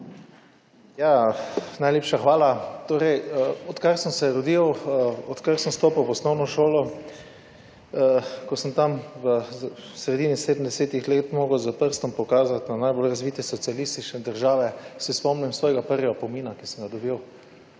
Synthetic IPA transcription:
janajleːpʃaxʋaːlat̪oːɾɛjəɔt̪kaɾsəmsɛɾɔd̪iwɔt̪kaɾsəmst̪oːpəwʋɔsnɔwnɔʃoːlɔ | kɔsəmt̪amʋəsɾɛd̪iːniseːd̪nd̪ɛseːt̪ixleːt̪moːɡəwzapəɾst̪ɔmpɔkaːzat̪nanajbolɾazʋiːt̪ɛsɔt̪sialist̪it͡ʃnɛd̪əɾʒaːʋɛsispɔmnimsʋɔːjɛɡapəɾjɛɡapomiːnakisəmɡad̪ɔbiw

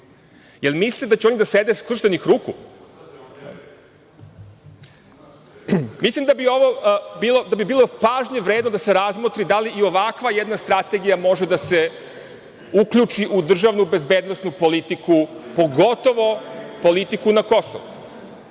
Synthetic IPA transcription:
jelˠmislied̪at͡ɕeo̞nid̪ased̪eskɾr̩ʃt̪enixɾuːkṵ | mislimd̪abio̞ʋo̞bilˠod̪abibiːlˠo̞paːʒɲe̞ʋɾeːd̪nod̪ase̞ɾazmot̪ɾid̪aliʔio̞ʋakʋajed̪nast̪ɾat̪e̞ɡijamo̞ʒed̪ase̞ | ukʎut͡ʃiʔud̪r̩ʒaʋnube̞zbeːd̪no̞snupo̞lit̪ikʰupo̞ɡo̞t̪o̞ʋo̞po̞lit̪ikunako̞so̰ʋṵ

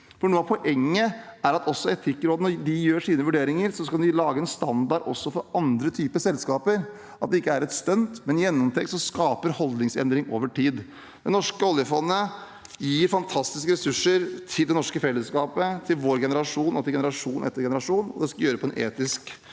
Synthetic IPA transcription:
fɔɳuːəɑʋpʰɔʔɛŋːəæɾɑt̪ʰɔsːɔɛt̪ʰɪkːɾoːd̪ənɔɖɪjøːʂiːnəʋʉɖeːɾɪŋəɾsɔskɑld̪ɪlɑːɡəɛnst̪ɑnd̪ɑɖɔ̰sːɔfɔɾɑnd̪ɾət̪ʰyːpəsɛlskɑːpəɾ | ʔɑt̪d̪ɛɪkːəæɾɛt̪st̪œnt̪mɛnɪjɛnːɔmt̪ʰɛkt̪sɔskɑːpəɾhɔld̪nɪŋsɛ̰nd̪ɾɪŋʔo̰ːʋəʈiːd̪ | d̪̥ɛnɔʂkəɔljəfɔnːə | jiːɾfɑnt̪ʰɑst̪ɪskəɾɛsʉʂːəɾt̪ʰɪld̪ɛnɔʂkəfɛlːəskɑːpət̪ʰɪlʋoːɾɡɛnəɾɑʂuːnɔt̪ʰɪlɡɛnəɾɑʂuːnʔɛ̰t̪ːəɾɡɛnəɾɑʂuːnɔ̰d̪ɛskɑljøːɾəpʰɔɛnʔḛːt̪ɪsk

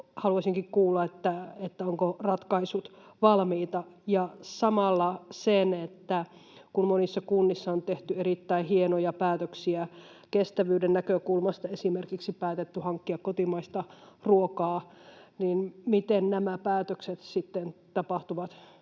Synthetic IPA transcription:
hɑluɑsiŋkikkuːlːɑet̪ːæet̪ːæoŋkorɑt̪kɑisut̪ʋɑlmiːt̪ɑjɑsɑmɑlːɑsenet̪ːækummonisːɑkunːisːɑont̪eht̪yeɾit̪ːæihienojɑpæːt̪øksiæ | kest̪æʋyːdennækøkulmɑst̪ɑesimerkiksipæːt̪et̪ːyhɑŋkːiɑkkot̪imɑist̪ɑruokɑːninmit̪ennæmæpæːt̪økset̪sit̪ːent̪ɑpɑht̪uʋɑt̪

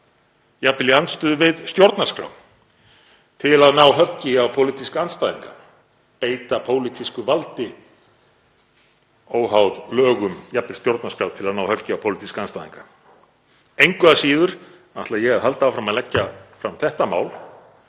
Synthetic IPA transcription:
japɪlɪanst̪ʏðʏvɪðst̪jowɾt̪naskɾa̰w | t̪ʰɪlaðnaːwɦœcɪawpʰowlit̪iskanst̪aːjðiŋka̰ | peːjt̪apʰoːwlit̪ʰiskʏvalt̪ɪ | oːwɦawðlœːɣʏmjapːɪl̥st̪jowɾt̪naskɾawt̪ʰɪlaðnaːwhœcɪawpʰowlit̪iskanst̪aːjðḭŋkḁ | ejŋkvʏðasiːðʏɾ̥ | naht̪lajɛɣaðɦal̪t̪aːwfɾamaðlɛcːafɾamθɛht̪ama̰ːwl

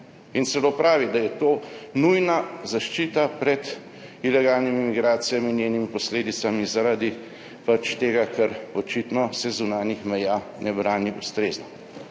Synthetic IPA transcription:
int̪sɛlopɾaːʋid̪ajɛt̪oːnujnazaʃt͡ʃiːt̪apɾɛd̪ | ilɛɡaːlnimimiɡɾaːt̪sijamiːnjeːnimipɔsleːd̪itsamizaɾaːd̪i | pat͡ʃt̪eːɡakʰɛɾɔt͡ʃit̪nɔsɛzunaːnixmɛjaː | nɛbɾaːniʔust̪ɾeːznɔ

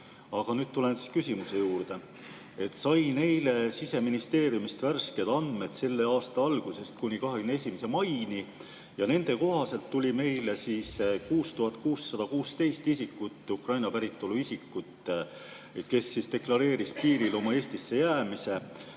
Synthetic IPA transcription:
ɑɡ̥ɑnyːd̪̚t̪ule̞nsi̥skysʲimuse̞juːɾd̪̥e̞ | et̪ːsɑjne̞jle̞sise̞minist̪e̞ːɾjumist̪værske̞d̪̥ɑnd̪̥me̞d̪̥se̞lːe̞ɑːst̪ɑɑlɡ̥use̞st̪̚kunʲikɑɦeɡ̥ynee̞sʲimese̞mɑjni | jɑne̞nd̪̥e̞ko̞ɦɑse̞lt̪ːulʲime̞jlesiːskuːst̪uhɦɑt̪̚ːˑkuːsːɑd̪̥ɑkuːst̪e̞jst̪isikːut̪ːˑukrɑjnɑpæɾit̪ːˑo̞luisikːut̪ | ke̞sːist̪e̞klɑɾe̞ːɾispiːɾilo̞mɑe̞ːst̪isːe̞jæːmise̞

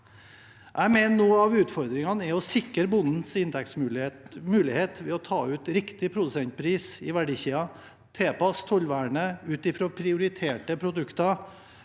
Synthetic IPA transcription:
ʔæɪmɛnnoːɑʋʉːt̪fɔɾd̪ɾɪŋɑnɛɔsɪkːəɾbʊnd̪n̩sɪnd̪ɛk̚t̪smʉlmʉːlɪheːt̪ʋɛɔt̪ʰɑːʉːt̪ɾɪkt̪ɪpʰɾʊd̪ʉsɛnt̪̚pʰɾiːsɪʋæɖiːçiːɑ | t̪ʰeːpɑst̪ʰɔlʋæːɳəʉːt̪ɪfɾoːpʰɾɪʊɾɪt̪ʰeːʈəpʰɾʊd̪ʉkt̪ɑ

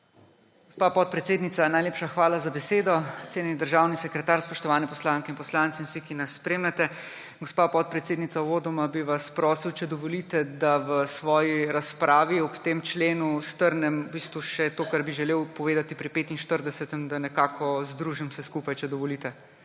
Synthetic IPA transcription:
ɡɔspaːpɔt̪̚pɾɛt̪seːd̪nit̪sanajleːpʃaxʋaːlazabɛseːd̪ɔt̪seːnɛnid̪əɾʒawnisɛkɾɛt̪aːɾspɔʃt̪ɔʋaːnɛpɔslaːŋkɛinpɔslaːnt̪sɛwsikinɐsːpɾeːmnɛt̪ɛ | ɡɔspaːpɔt̪̚pɾɛt̪seːd̪nit̪aɔʋoːd̪ɔmabiʋaspɾɔːsiwt͡ʃɛd̪ɔʋɔlit̪ɛd̪aʋəsʋɔːjiɾaspɾʔaːʋiɔpt̪eːmt͡ʃleːnust̪əɾnɛmubiːst̪ʋuʃɛt̪oːkaɾbiʒɛleːwpɔʋeːd̪at̪ipɾɛpeːt̪inʃt̪əɾd̪ɛsɛt̪ɛmd̪anɛkaːkʰɔzd̪ɾuːʒimsɛskupajt͡ʃɛd̪ɔʋɔliːt̪ɛ

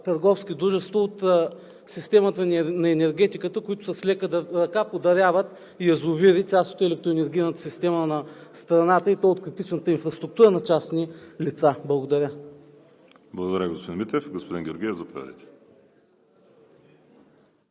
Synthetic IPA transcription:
t̪əɾɡɔfskid̪ɾuʒɛst̪voːt̪ː | sist̪ɛmət̪ənnɐɛnɛɾɡʲɛt̪ikət̪əkʊit̪ʊ̥sɐslʲɛkəd̪ɐɾɐkapod̪ɐɾʲavət̪ | jɐzʊviɾit͡ʃ̪ʲast̪o̥t̪ɛlɛk̚t̪ɾʊɛnɛɾɡʲijnət̪ə̥sist̪ɛmənɐst̪ɾɐnat̪əit̪ɔjot̪̚kɾit̪it͡ʃnət̪əinfɾɐst̪ɾʊuk̚t̪uɾənɐt͡ʃasnilit̪sablˠɐɡod̪ɐɾʲə | blˠɐɡod̪ɐɾəɡospod̪inmit̪ɾɛfɡospod̪inɡʲoɾɡʲiɛvzɐpod̪ʲa̰d̪ə̰jt̪ɛ̥

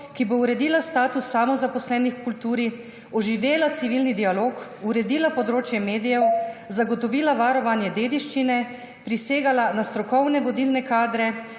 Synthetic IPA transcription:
kibouɾɛd̪iːlast̪aːt̪usːamɔzapɔslɛːnixkult̪uːɾi | ɔʒiʋeːlat̪siʋilnid̪ialoːkuɾɛd̪iːlapɔd̪ɾoːt͡ʃjɛmeːd̪ijɛwzaɡɔt̪ɔʋiːlaʋaːɾɔʋanjɛd̪eːd̪iʃt͡ʃinɛ | pɾiseːɡalanast̪ɾɔkɔwnɛʋɔd̪iːlnɛkaːd̪ɾɛ

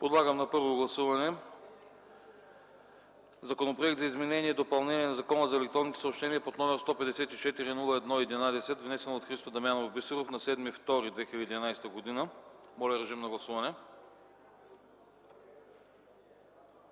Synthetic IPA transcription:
pod̪lˠaɡəmnɐpɤɾvoɡlˠɐsuvɐnɛ | zɐkonopɾoɛk̚t̪zɐizmɛnɛniɛd̪opɐlˠnɛniɛnɐzɐkɔnəzɐɛlɛkt̪ɾɔnːit̪o̥sopʃt̪ɛniɛpot̪nɔmɛɾst̪ɔpɛd̪ɛsɛt̪it͡ʃɛt̪iɾinulˠəɛd̪nɔiɛd̪inad̪ɛsɛt̪vnɛsɛnot̪xɾist̪ofəd̪ɐmjanovbisuɾofnɐsɛd̪mift̪ɔɾid̪vɛxilʲəd̪id̪inajsɛt̪əɡod̪inəmɔlʲɛɾɛʒimnɐɡlˠɐsuvɐnɛ

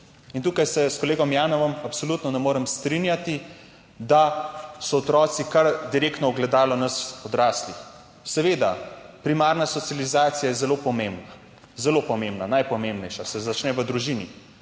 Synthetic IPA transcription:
int̪uːkajsɛskɔleːɡɔmjaːnɔʋɔmapsolut̪nɔnɛmoːɾɛmst̪ɾinjat̪i | d̪asɔɔt̪ɾɔːt̪sikaɾd̪iɾeːkt̪nɔɔɡlɛd̪aːlɔnɐsɔd̪ɾaːslix | sɛʋeːd̪apɾimaːɾnasɔt̪sijalizaːt̪sijajɛzɛlopɔmembna | zɛlopɔmembnanajpɔmembnɛjʃasɛzat͡ʃnɛʋəd̪ɾuʒini

